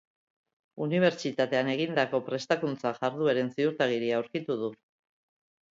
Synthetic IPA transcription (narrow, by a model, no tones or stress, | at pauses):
uniβ̞e̞ɾt͡ʃit̪at̪e̞ane̞ɣ̞ind̪ako̞pɾe̞st̪akunt͡saʝaɾðueɾe̞nsiuɾt̪aɣ̞iɾiaːwɾkit̪uð̞u